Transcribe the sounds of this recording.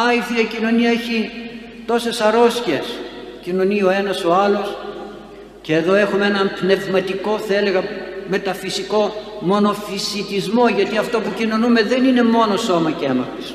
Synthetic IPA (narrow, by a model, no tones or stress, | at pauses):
ɐifiɐcino̞niɐeçi | t̪o̞se̞sɐɾo̞sçies | cino̞nio̞e̞nɐso̞ɐlo̞s | ce̞ːðo̞e̞xumeenɐmpne̞vmɐt̪iko̞θɐe̞le̞ɣɐmet̪ɐfisiko̞mo̞no̞fisit̪izmo̞ʝɐt̪iɐft̪o̞pucino̞nume̞ðe̞nine̞mo̞noso̞mɐcemɐfis